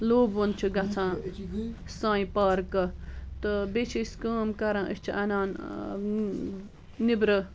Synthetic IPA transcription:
loːbont͡ʃʰuɡɐt͡sʰãː | sãːĩpaːɾkɐt̪əbet͡ʃʰiskãːmkɐɾãːʔə̰st͡ʃʰiʔɐnãːn | nibɾə

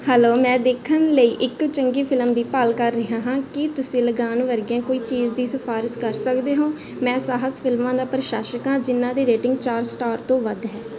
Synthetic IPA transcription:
hɛːloːmɛ̃ːd̪eːkʰənləiːʔɪkt͡ʃəŋɡiːpʰɪlmd̪iːpəlkəɾːɪɦãːɦãːkɪt̪ʊsĩːləɡaːnʋəɾɡɪãːkoːiːt͡ʃiːzd̪iːsəpʰaːɾɪskəɾsəkd̪eːɦõː | mɛ̃ːsaːɦəspʰɪlmãːd̪aːpɾəʃaːʃəkãːd͡ʒɪnːãːd̪iːɾeːʈɪ̃ŋɡt͡ʃaːɾsʈaːɾt̪õːʋəd̪ɦɛː

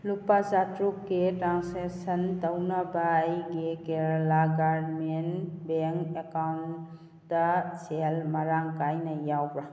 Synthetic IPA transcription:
lupazatɾukːetɾansesɐntɐwnɐbajɡekeɾlaɡaɾmenbeŋkekawn | dɐselmɐɾaŋkajnɐjawbɾa

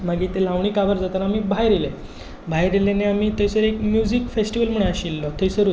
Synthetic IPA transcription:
maɡiːt̪elãʋɳ̃iːkabəɾd͡zat̪əɾamiːbʱajɾele | bʱajɾeleneamiːt̪əjsəɾekmjud͡zikfesʈiʋəlm̤əɳ̃aɕilːɔt̪ʰəjsəɾu

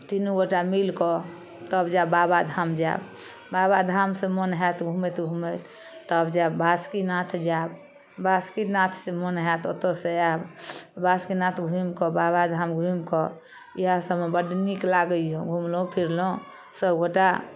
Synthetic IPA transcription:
t̪inuɡoʈamilkɔ | t̪əbd͡ʒababad̪ʱamd͡ʒa̰ | babad̪ʱamsẽmonɦɛt̪ɡʱumet̪ɡʱumet̪ʰ | t̪əbd͡ʒabʱaskinat̪ʰd͡ʒab | baskinat̪ʰsemonɦɛt̪ʰo̰t̪oseabbaskinat̪ʰɡʱumkɔbaβad̪ʱamɡʱumkɔ | iɦasəbebəɖniklaɡəjoɡʱumlõpʰiɾlõ | səbɡoʈa

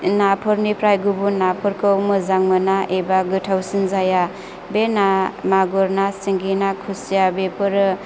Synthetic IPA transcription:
napʰɯɾnipɾajɡubunapʰɯɾkɯwmɯzaŋmɯnaʔebaɡɯtʰawsinzaja | benamaɡɔɾnasiŋɡinakʰusijabepʰɯɾɯ

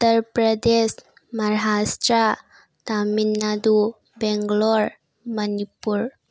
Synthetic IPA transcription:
ut̪ːəɾpɾəd̪es | məɾɦasʈɾa | t̪aminːad̪u | beŋɡlɔɾ | mənipuɾ

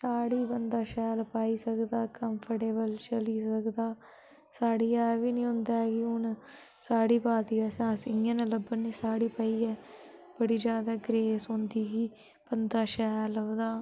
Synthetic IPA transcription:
saːɽiːbənd̪aːʃɛːlpaːiːsəkd̪aːkəmpʰəʈeːbəlt͡ʃəliːsəkd̪aː | saːɽiːaːʋiːnĩːɦʊ̃nd̪aːɡiːʊn | saːɽiːpaːd̪iːasãːsɪənələbənːĩːsaːɽiːpəiːɛːb̥əɽiːd͡ʒjaːd̪aːɡɾeːsʊ̃nd̪iːɡiː | b̥ənd̪aːʃɛːld̪aː

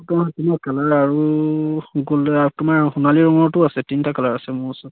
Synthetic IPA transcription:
tɔatinakalaɹaɹu | ɡultʊmaɹhunaliɹɔŋɔɹtʊasɛtintakalaɹasɛmʊasʊ

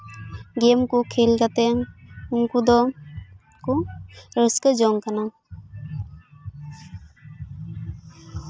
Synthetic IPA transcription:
ɡɛmkukʰelkat̪ɛŋuŋkud̪ɔ | kuɾəskəd͡ʒɔŋkana

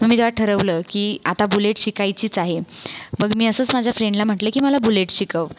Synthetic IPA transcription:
əmiːt̪eʋaʈʰəɾəʋləːkiːat̪abuleʈɕikajt͡ɕiːt͡saɦebəɡmiːəsəːt͡smad͡ʑʱjafɾeɳɖlam̤əʈləːkiːməlabuleʈɕikəʋ

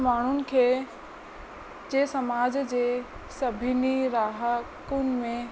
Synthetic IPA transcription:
maːɳ̤ʊnɪ̆kʰeː | d͡ʑeːsɐmaːd͡ʑd͡ʑeː | sɐbʱɪniɾaːɦəkʊnɪ̆mẽ

